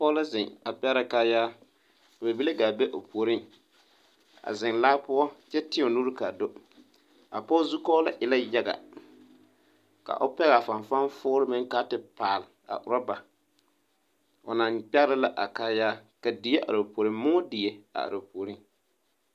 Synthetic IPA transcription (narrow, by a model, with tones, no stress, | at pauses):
pɔ˦la˦zɪ˨ŋa˨pɛ˦ɾa˦kaː˦jaː˦˨ | be˨bi˦le˦ɡa˨be˦ʔo˨po˨ɾɪ˦ŋ | a̰˨zɪ˨ŋlaː˦pʊ˦ɔ˦t͡ʃɛ˦tɪ˦˨o˨nu˦ɾka˨do˦ | a̰˨pɔː˦zu˦kɔː˦la˦ʔɪ˨la˦ja˦ɡa̰˨ | ka̰˨ʔʊ˦pɛ˦ɣa˨fa˨ɱfa˦n˦fʊː˦ɾɪ˦mɪ˦ŋka˦tɪ˨paː˨lɪ˨a̰˨ʔʊ˨ɾa˦ba˨ | o̰˨na˨ŋk͡pɛ˦ɾɪ˦la˦ʔa˨kaː˦jaː˦ka˨dɪ˨˦e˦ʔa̰˨ɾɨ˨po˨ɾɪ˦mmʊ˦ɔ˦dɪ˨je˨a̰˨a̰˨ɾɨ˨po˨ɾi˦ŋ